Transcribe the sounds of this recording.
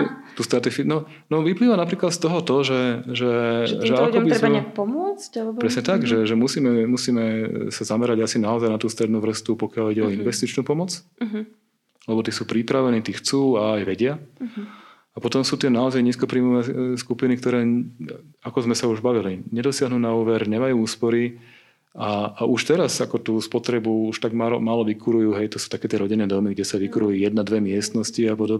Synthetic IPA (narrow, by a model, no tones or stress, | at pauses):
t̪uːst̪ɾat̪ifinɔ | nɔʋipliːʋanapɾiːklat̪st̪ɔɦɔt̪ɔʒɛʒɛʒɛakɔbiɾzɾɛɛkpɔmʊɔt͡scapɾɛsɲɛt̪aɡʒɛʒɛmusiːmɛmusiːmɛsazamɛɾaɟasinaɔzajnat̪uːst̪ɾɛd̪nuːʋr̩st̪upɔkɪaliɟɛɔinʋɛst̪it͡ʃnuːpɔmɔt͡s | lɛbɔt̪iːsuːpɾipɾaʋɛniːt̪ixt͡suːaːjʋɛɟɪa | apɔt̪ɔmsuːt̪ɪɛnaɔzajɲiːskɔpɾiːmɔʋɛːskupinikt̪ɔɾɛː | akɔzmɛsauʒbaʋiliɲɛd̪ɔsɪaɦnuːnauːʋɛɾɲɛmajuːuːspɔɾi | aːuʃt̪ɛɾasakɔt̪uːspɔt̪ɾɛbuuʃt̪aɡmalɔ̰maːlɔʋikʰuɾujuːɦɛjt̪ɔsu̥ːt̪akɛːt̪ɪɛɾɔɟinɛːd̪ɔmiɡɟɛsaʋikuɾuijɛd̪̚nad̪ʋɛmɪɛst̪nɔsciapɔd̪ɔbɛ